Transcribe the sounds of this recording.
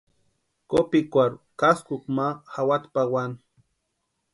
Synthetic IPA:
kopikʷaɾʊkaskʊk̚maxawat̪pawan

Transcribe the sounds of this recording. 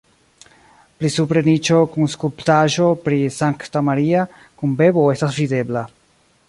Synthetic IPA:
plisupɾe̞nit͡ʃo̞kunskulptaʒo̞pɾisaŋktamaɾia | kunbe̞bo̞e̞stasvide̞bla

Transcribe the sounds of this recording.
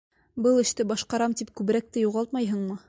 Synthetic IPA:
bɤlˠɘ̆ʃt̪ɘbɑʃqɑɾɑmt̪ip̚kʉβɘ̆ɾæk̚t̪ɘjuʁɑlˠt̪̚mɑjɦɤɴmɤ

